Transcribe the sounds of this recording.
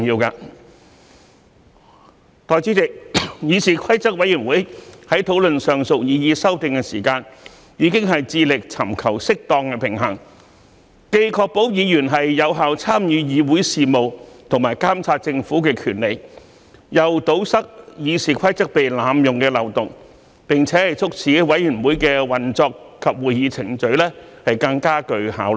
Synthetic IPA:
ŋjiː˧wkaː˧ | t̪ɔː˨˧jt͡si˨˥tɪ˨k̚jiː˨˧siː˨˩kʰɐ˥jt͡sɐ˥k̚wɐ˨˥jyː˨˩nwuː˨˥jhɐ˨˥jt̪ʰo˨˥wlɵ˨nsœː˨ŋsʊ˨k̚jiː˨˧jiː˧sɐ˥wt̪ɪ˨ŋkɛ˧siː˨˩kaː˧n | jiː˨˧kɪ˥ŋɦɐ˨jt͡siː˧lɪ˨k̚t͡sʰɐ˨˩mkʰɐ˨˩wsɪ˥k̚t̪ɔː˧ŋkɛː˧pʰɪ˨˩ŋɦɐ˨˩ŋ | ke˧jkʰɔː˧k̚po˨˥wjiː˨˧jyː˨˩nɦɐ˨jːɐ˨˧wɦaː˨wt͡sʰaː˥mjyː˨˧jiː˨˧wuː˨˥jsiː˨mo˨wt̪ʰʊ˨˩ŋmaː˨˩jkaː˥mt͡sʰaː˧t̚t͡sɪ˧ŋfuː˨˥kɛː˧kʰyː˨˩nle˨j | jɐ˨wt̪o˨˥wsɐ˥k̚jiː˨˧siː˨˩kʰɐ˥jt͡sɐ˥k̚pe˨jlaː˨˧mjʊ˨ŋkɛː˧lɐ˨˩wt̪ʊ˨ŋ | pɪ˨ŋt͡sʰɛː˨˥hɐ˨jt͡sʰʊ˥k̚t͡sʰiː˨˥wɐ˨˥jyː˨˩nwuː˨˥jkɛː˧wɐ˨nt͡sɔː˧k | kʰːɐ˨p̚wuː˨jjiː˨˧t͡sʰɪ˨˩ŋt͡sɵ˨˥ɥlɛː˥hɐ˨jkɐ˧ŋkaː˥kɵ˧ɥhaː˨˥w

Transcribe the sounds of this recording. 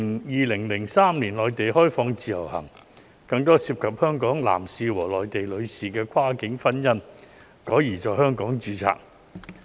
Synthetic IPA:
jiː˨˧lɪ˨˩ŋlɪ˨˩ŋsaː˥mliː˨˩nlɔː˨˩jt̪e˨jhɔː˥jfɔː˧ŋt͡siː˨jɐ̰˨˩whɐ̰˨˩ŋ | kɐ˧ŋt̪ɔː˥siː˧p̚kʰɐ˨p̚hœː˥ŋkɔː˨˥ŋla̰ː˨˩msiː˧wɔː˨˩lɔː˨jt̪e˨jlɵ˨˧ɥsiː˨˩kɛː˧kʷʰwaː˥kɪ˨˥ŋfɐ˥njɐ˥n | kɔː˨˥jiː˨˩t͡ʃɔː˨jhœː˥ŋkɔː˨˥ŋt͡ʃyː˨˧t͡sʰa̰ː˨k̚

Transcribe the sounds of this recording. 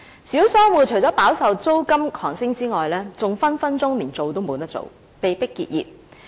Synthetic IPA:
siː˨˥wsœː˥ŋwuː˨˩t͡ʃʰɵ˨˩jt͡sɔː˨˥paː˨˥wsɐ˨wt͡so˥wkɐ˥mkʰɔː˨˩ŋsɪ˥ŋt͡siː˥ŋɔː˨jlɛː˥t͡sʊ˨ŋfɐ˥nfɐ˥nt͡sʊ˥ŋliː˨˩nt͡so˨wt̪o˥wmo˨˧t̪ɐ˥k̚t͡so̰˨w | pe˨jpɪ˥kːḭ˧t̚jḭː˨p̚

